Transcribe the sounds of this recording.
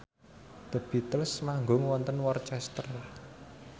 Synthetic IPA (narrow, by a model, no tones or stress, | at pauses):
d̪̥əb̥it̪əlsmaŋɡoŋwɔnt̪ənwɔrt͡ʃɛst̪ər